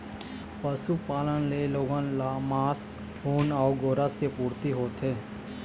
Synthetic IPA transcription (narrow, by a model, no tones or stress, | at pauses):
pəsupaːlənleloːɡənlamaːs | hoːnɔːɡoːɾaskepuːɾt̪iɦoːt̪eː